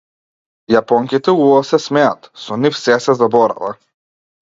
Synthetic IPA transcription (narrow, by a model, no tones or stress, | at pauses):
japɔŋkit̪ɛulasɛsmɛat̪sɔnifsɛsɛzabɔɾa̰va̰